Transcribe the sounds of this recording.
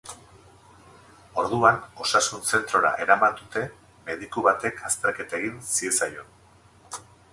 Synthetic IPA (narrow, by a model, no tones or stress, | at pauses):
o̞ɾð̞uano̞sasunse̞nt̪ɾo̞ɾa̰ʔe̞ɾamand̪ut̪e̞ | me̞ðikuβat̪e̞kʰast̪eɾke̞t̪aeɣinsie̞sajo̞